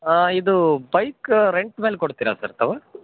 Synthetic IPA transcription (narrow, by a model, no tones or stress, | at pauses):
aid̪ubɐjkɾeɳʈmeːlkoɽt̪iːɾasɐɾt̪ɐʋɐ